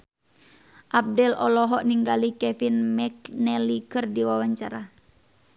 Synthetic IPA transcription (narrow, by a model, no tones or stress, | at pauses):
ʔab̚dɛlɔlɔɦɔʔniŋɡalikɛfinmɛknɛlikɨrdiwawaɲt͡ʃaɾa